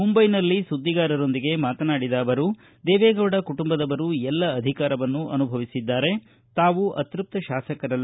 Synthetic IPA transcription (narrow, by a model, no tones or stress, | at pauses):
mumbɐjnɐlːisud̪ːiɡaːɾɐɾo̞nd̪iɡe̞maːt̪ɐnaːɽid̪aːʋɐɾu | d̪ɛːʋɛːɡɐʋɐɽɐkuʈumbɐd̪ɐʋɐɾuɛlːɐːd̪ʱikaːɾɐʋɐnːuʔɐnubʱɐʋisid̪ːaːɾe̞ | t̪aːʋuʔɐt̪ɾup̚t̪ɐʃaːsɐkɐɾɐl